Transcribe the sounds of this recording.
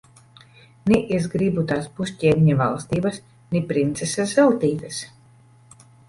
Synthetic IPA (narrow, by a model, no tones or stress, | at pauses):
niʔezɡɾibut̪aːspusʲcʲɛːnʲiɲava̰lˠst̪iːbas | nʲipɾint̪sʲesazɛlˠt̪iːt̪as